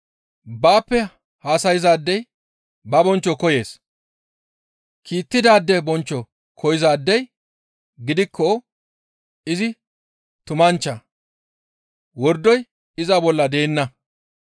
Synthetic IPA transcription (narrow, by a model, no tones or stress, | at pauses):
baːpːɛ | haːsɐjɪzaːd̪ːɛj | bɐbɔnt͡ʃːɔkɔje̞ːs | kʰiːt̪ːɪd̪aːd̪ːɛbɔnt͡ʃːɔ | kʰɔjɪzaːd̪ːɛj | ɡɪd̪ɪkʰːɔ | ɪzɪ | t̪ʊmɐnt͡ʃːɐ | wɔɾd̪ɔj | ɪzɐbɔlːɐd̪e̞ːnːɐ